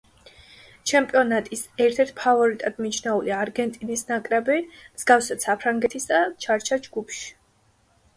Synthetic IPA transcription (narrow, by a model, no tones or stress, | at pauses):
t͡ʃʰɛmpʼiɔnat̪ʼisɛɾt̪ʰɛɾt̪ʰpʰavɔɾit̪ʼad̪̥mit͡ʃʰnɛuliaɾɡɛnt̪ʼinisnakʼɾɛbimz̥ɡafsɛsapʰɾaŋɡɛt̪ʰisd̪at͡ʃʰaɾt͡ʃʰad͡ʒɡupʰʃi̥